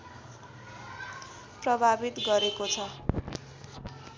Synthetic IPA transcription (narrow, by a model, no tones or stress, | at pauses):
prʌbʱabit̪ɡʌɾekot͡sʰʌ